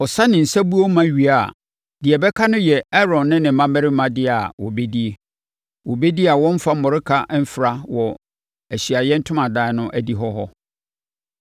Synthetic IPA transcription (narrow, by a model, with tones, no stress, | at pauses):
ɔ˨sa˦nɪ̃˨n̩˨sa˦bu˦o˦mã˦ɥi˨a˨ | dɪ˨ɛ˨bɛ˦kʰa˦nʊ̃˦jɛ˨ɛ˦ɾɔ̃˨nːɪ̃˦nɪ̃˨m̩˦mã˦mɛ˦ɾɪ˦mã˦dɪ˦a˨wɔ̰˨be˦di˦e˦ | wɔ˨be˦di˦a˨wɔ̃˦m˦fa˦mɔ˨ɾɪ˦kʰa˦m̩˦fɪ˨ɾa˦wɔ˨ | æ˨ɕi˨a˨jɛ˦n̩˦tʰʊ̃˦mã˨daː˦ɛ˨˦nʊ̃˦ʔæ˦di˦ɦɔ˦ɦɔ̰˦